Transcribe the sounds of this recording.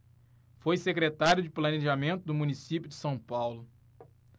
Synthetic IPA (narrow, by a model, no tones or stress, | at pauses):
fojsekɾet̪aɾjʊd͡ʒɪplɐneʒamẽnt̪ʊd̪ʊmũnisipjʊd͡ʒɪsɐ̃w̃pawlʊ